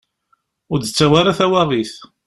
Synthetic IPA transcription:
ʊɾd̪ət͡sːæwaɾaθæwaʁiθ

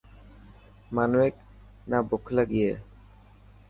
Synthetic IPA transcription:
manuwek̚ | nabokʰlaɡije

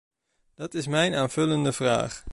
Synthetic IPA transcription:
d̥ɑtɪsmɛjnaːnv̥ɵləndəvra̰ːχ

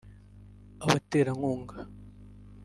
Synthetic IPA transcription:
aβateːɾaŋuːŋɡa

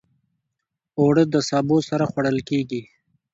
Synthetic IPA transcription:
oɽəd̪əsɑːbosaɾaxwaɽəlkeɡi

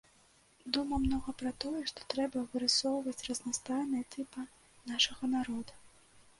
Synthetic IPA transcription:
d̪umɐmnɔɣɐpɾɐt̪ɔjɛʂt̪ɔ̥t̪ɾɛbɐvɨɾɨsɔwvɐt͡sʲrɐznɐst̪ajnɐjɐt̪ɨpɨ | naʂɐɣɐnaɾɔd̪u

